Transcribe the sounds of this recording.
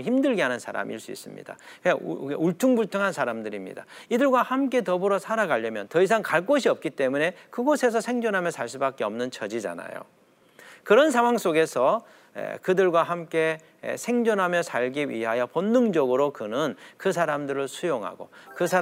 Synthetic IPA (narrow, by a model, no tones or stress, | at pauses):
çimdɯɭɡiɦanɯnsʰaɾa̰mḭɭs͈uḭs͈ɯmɲḭd̥a̰ | eeuɭtʰuŋbuɭtʰoŋɦansʰaɾamdɯɾimɲḭda̰idɯɭɡwahamk͈e̞tʌbɯɾʌsʰaɾaɡaʎːʌmjʌntʌis̬ʰaŋkaɭk͈oɕʰiʌp̚k͈it͈e̞mune̞kɯɡosʰe̞s̬ʰʌsʰe̞ŋd͡ʑʌnɦamjʌsʰaɭs̬͈ubak͈e̞ʌmnɯnt͡ɕʰʌd͡ʑid͡ʑa̰na̰jo̰ | kɯɾʌnsʰaŋwaŋs͈oɡe̞sʰʌ | ḛkɯdɯɭɡwaɦamk͈e̞̰ | sʰe̞ŋd͡ʑʌnɦamjʌsʰaɭɡiɥḭɦajʌponːɯŋd͡ʑʌɡɯɾokɯnɯnkɯs̬ʰaɾamdɯɾɯɭsʰujoŋɦa̰ɡo̰kɯsʰa